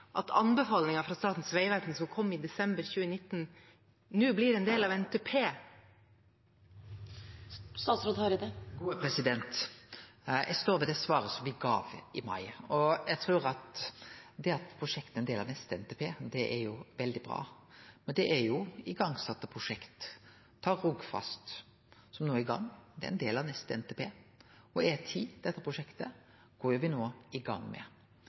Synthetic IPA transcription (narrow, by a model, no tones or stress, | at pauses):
ʔɑt̪ʰɑ̰nbəfɑːlnɪŋɑfɾɑst̪ɑːt̪n̩sʋæɪʋæɾt̪n̩sɔmkʰɔmːɪd̪ɛsɛmbəɾçʉːənɪt̪ːn̩ | nʉːblɪɾɛːnd̪eːlɑʋɛnt̪eːpʰeː | st̪ɑːt̪sɾɔt̪hɑɾəd̪əɡuːəpʰɾɛsɪd̪ɛnt̪ | jæ̰st̪oːɾʋɛd̪ɛsʋɑːɾəsɔmʋɪɡɑ̰ːʋɪmɑ̰ɪɔjæɡt̪ʰɾuːɾɑt̪ | d̪ɛɑt̪pʰɾʊʂɛkt̪əɛnd̪eːlɑnɛst̪əɛnt̪ʰeːpʰeːd̪ɛʔɛɾjʊʋɛld̪ɪbɾɑ̰ːmɛnd̪ɛʔæɾjʊɪɡɑŋsɑt̪ːəpʰʁʊʂɛkt̪ʰː | ɑːɾʊɡfɑ̰st̪ | sɔmnoːɪɡɑ̰ŋːd̪ɛ̰ɛnd̪eːlɑʋnɛst̪əɛ̰nt̪eːpʰeː | ɔɛt̪ʰiːd̪ɛt̪ːəpʰɾʊʂɛkt̪ə | ɡ̥oːjʊʋɪnoːɪɡɑ̰ŋːmɛ̰